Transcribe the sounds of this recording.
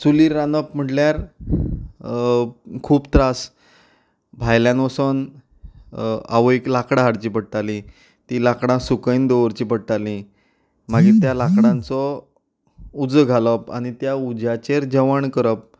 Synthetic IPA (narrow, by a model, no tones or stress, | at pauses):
st͡suliɾːanəpm̤əʈljaɾ | kʰuːpt̪ɾas | bʱajljãnʋəsən | a̰ʋoiklakɽaɦaɽt͡ɕiːpəɽʈ̪alĩ | t̪ilakɽãsukəind̪oʋəɾt͡ɕiːpəɽʈalĩ | maɡiːt̪jalakɽãnt͡sɔ | ud͡zəɡʱalɔpa̰ɽ̃it̪jaud͡ʑjat͡ɕeɾd͡ʑəʋəɳkəɾəp̚